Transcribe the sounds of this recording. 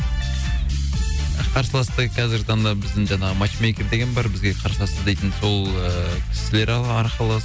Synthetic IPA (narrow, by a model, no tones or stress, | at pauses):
qʰɑɾsəlˠɑst̪əqʰɑzɪɾɡʲɪt̪ʰɑnd̪ɑbɪzd̪ɪŋʒɑnɑʁəmɑt͡ʃmekʲeɾd̪e̞ɡʲenbɑɾbɪzɡʲe̞qʰɑɾsəlˠɑsəzd̪e̞jt̪ɪnso̞lˠəkʲʰɪ̥sɪle̞ɾɑɑɾqəlˠɑə